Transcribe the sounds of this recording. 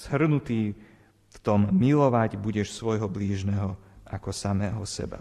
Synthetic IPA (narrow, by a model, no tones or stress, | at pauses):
z̥ɦr̩nut̪iː | ft̪ɔmːilɔʋaɟbuɟɛʃsʋɔjɦɔbliːʒnɛɦɔakɔsamɛːɦɔsɛ̰ba̰